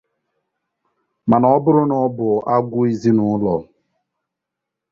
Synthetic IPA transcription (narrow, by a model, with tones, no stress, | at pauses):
ma˨nɔ˨˦bʊ˦ɾʊ˦nɔ˦bʊ˨a˦ɡʷʊ˦i˦zi˦nʊ˨˦lɔ˨